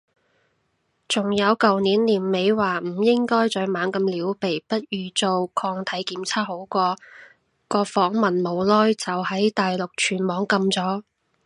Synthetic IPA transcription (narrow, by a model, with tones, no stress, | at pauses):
t͡sʊ˨˩ŋjɐ˨˧wkɐ˨wniː˨˥nliː˨˩nme˨˧jwaː˨m̩˨˩jɪ˥ŋkɔː˥jt͡sœː˨˥ɥmaː˨˥nkɐ˧mliː˨˥wpe˨˩jpɐ˥t̚jyː˨t͡so˧wkʰɔː˧ŋt̪ʰɐ˨˥jkiː˨˥mt͡sʰaː˥ho˨˥wkʷɔː˧ | kɔː˧fɔː˨˥ŋmɐ˨nmo˨˧wlɔː˥jt͡sɐ˨whɐ˨˥jt̪aː˨jlʊ˨k̚t͡ʃʰyː˨˩nmɔː˨˥ŋkɐ˧mt͡sɔː˨˥